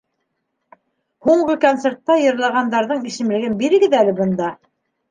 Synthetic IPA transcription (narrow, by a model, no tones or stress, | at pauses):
huɴɢɤkont̪seɾt̪ːɑjɤ̆ɾlˠɑʁɑnd̪ɑɾðɤɴisɘ̆mlɘ̆ɡɘnbiɾɘ̆ɡɘðælɘbɤ̆nd̪ɑ